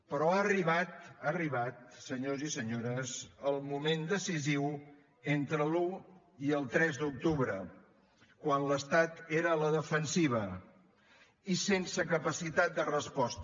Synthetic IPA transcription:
pəɾɔaəriβat̪ariβat̪̚səɲozisəɲoɾəzəlˠmumend̪əsiziw | ent̪ɾəlu | iəlˠt̪ɾɛzd̪uk̚t̪uβɾə | kwanləst̪at̪eɾəːləðəfənsiβ̞ə | isensəkəpəsit̪at̪̚d̪ərəspɔst̪

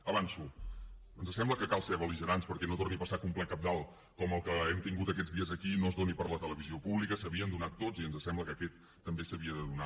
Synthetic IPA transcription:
əβansu | ənzəsɛmbləkəkalˠseβəliʒəɾanspəɾkɛnot̪orniəpəsakumplɛkap̚d̪alˠ | kɔməlˠkəɛmt̪iŋɡut̪əkɛd͡zðiəzəkinozðonipəɾlət̪ələβiziopuβlikəsəβiənd̪unat̪ːod͡ziənzəsɛmbləkəkɛt̪ːəmbesəβiəðəðuna

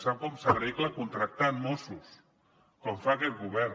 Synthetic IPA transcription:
sawkɔmsaβiklakunt̪ɾak̚t̪aːmmosus | kɔɱfakɛt̪̚ɡuβɛɾ

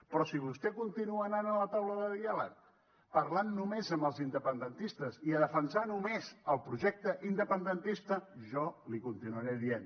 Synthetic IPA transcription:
pɾɔsiβ̞ust̪ɛkunt̪inuəːnanələt̪awləðəðialək | pəɾlanːumezəmbəlˠzind̪əpənd̪ənt̪ist̪əziəðəfənsanumezəlˠpɾuʒɛk̚t̪əʔind̪əpənd̪ənt̪ist̪əʒɔlikunt̪inuəɾeðien

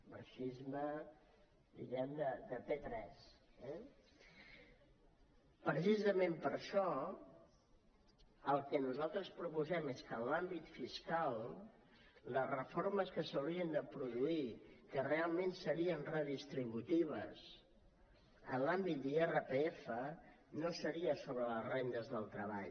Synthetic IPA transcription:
mə̰ʃizmə | d̪ḭɣɛmd̪əd̪əp̪et̪ɾɛsɛ | pɾəsizəmempəɾʃɔ | əlˠkɛnuzalˠt̪ɾəspɾupuzɛmeskənlambit̪fiskalˠ | ləzrəfoɾməskəsəwɾiənd̪əpɾuðuikərealˠmensəɾiənrəðist̪ɾiβut̪iβ̞ə̰s | ənlambit̪̚d̪ierəpeefə | nosəɾiəsoβɾələzrend̪əzðəlˠt̪ɾəβa̰ʎ

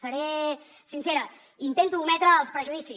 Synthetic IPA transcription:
sɐɾe | sinseɾə | int̪ent̪uːmɛt̪ɾəːlˠspɾəʒuðisi

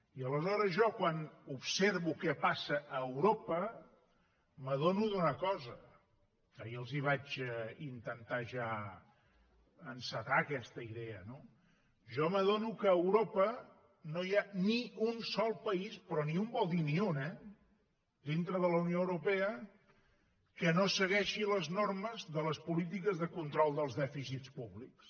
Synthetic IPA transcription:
iələzɔɾəzʒɔkwanupseɾβukɛpasəʔəːwɾopə | məð̞onuðunəkɔzə | kəjəlˠziβ̞ad͡ʒint̪ənt̪aʒa | ənsət̪akɛst̪əiðɛəno | ʒɔməðonukəːwɾopə | nojaniunsɔlˠpəispɾɔniumbɔlˠd̪iniunɛ | d̪int̪ɾəðələwnijoəwɾupɛə | kənosəɣɛʃiləznorməzðələspulit̪̬ikəzðəkunt̪ɾɔlˠd̪əlˠzðɛfisitt͡spuβliks

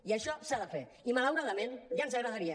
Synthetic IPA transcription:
iaʃɔsaðəfe | imalawɾaðamẽnjanzaɾaɣaɾia

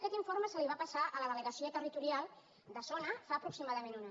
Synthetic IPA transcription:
kɛt̪iɱforməsəliβapasaʔələðələɣəsoət̪ərit̪uɾialˠ | d̪əsonəfaːpɾuksimaðəmenuna

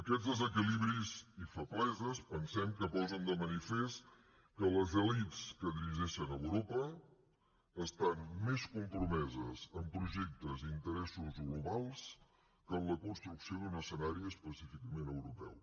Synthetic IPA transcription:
əkɛd͡zzðəzəkiliβɾizifəplɛzəspənsɛmkəpɔzənd̪əmənifest̪ | kələzəlit͡skəðiɾiʒɛʃənəwɾopə | st̪anmeskumpɾumɛzəzəmpɾuʒɛk̚t̪əzint̪əɾɛsuzɡluβalˠs | kəmləkunst̪ɾuksiod̪unəsənaɾiəspəsifikəmenəwɾupɛ̰w

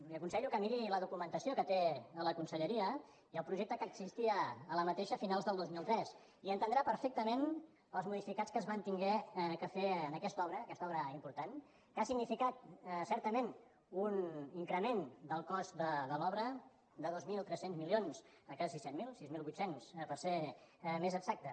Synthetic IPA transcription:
liəkunsɛʎukəmiɾiləðukumənt̪əsiokət̪eələkunsəʎəɾiə | iəlˠpɾuʒek̚t̪əkəɡzist̪iəːləmət̪eʃəfinalˠzðəlˠd̪ozmilˠt̪ɾɛs | iənt̪ənd̪ɾapəɾfek̚t̪əmen | əlˠzmuðifikat͡skəzβant̪iŋɡɛkəfeənəkɛst̪ɔβɾəːkɛst̪ɔβɾəimpuɾt̪an | kasiɡnifikat̪sɛɾt̪əmen | uniŋkɾəmend̪əlˠkɔst̪d̪əðəlɔβɾə | d̪əðozmilˠt̪ɾɛsenzmilions | əkɛsisɛmilˠsizmilˠβut̪senspəɾsemezəɡz̥ak̚t̪ə

